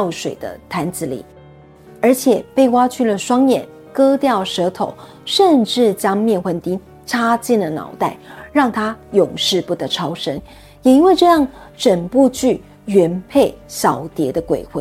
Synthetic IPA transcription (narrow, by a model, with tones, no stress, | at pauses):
ʊʂwe˨˩ɪd̪ə̰˦t̪ʰa˧˥nt͡sɹ̩˧˥lḭ˨˩˦ | ə˞˧˥t͡ɕʰjɛ˨˩pe˥˩ɪwa˥t͡ɕʰy˥˩lə˩ʂwɑ˥ŋjɛ˨˩n | kɤ˥t̪jɑ˥˩ʊʂɤ˧˥t̪ʰo˨˦ʊ | ʂə˥˧nʈ͡ʂɻ̩˥˩t͡ɕjɑ˥ŋmjɛ˥˩nxwə˧˥nt̪i˥ŋ | ʈ͡ʂʰa˥t͡ɕjɛ˥˩nlə˩nɑ̰˨˧˥ʊt̪a˥˩ɪɻɑ˥˩ŋt̪ʰa˥jʊ˨˩ŋʂɻ̩˥˧pu˥˩t̪ɤ˧˥ʈ͡ʂʰɑ˥ʊʂə˥ŋ | jɛ˨˩i˥nwe˥˧ɪʈ͡ʂɤ˥˧jɑ˥˩ŋʈ͡ʂə˨˩npu˥˧t͡ɕy˥˩ | ɥɛ˧˥npʰe˥˩ɪɕjɑ˨˩ʊt̪jɛ˧˥d̪ə˧kwḛ˨˩ɪxwe˥˩